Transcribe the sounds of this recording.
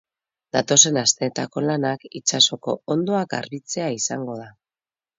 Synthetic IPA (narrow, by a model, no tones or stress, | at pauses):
d̪at̪o̞se̞nast̪e̞ːt̪ako̞lanakit͡ʃaso̞ko̞ond̪o̞aka̰ɾβit͡se̞aisaŋɡo̞ð̞a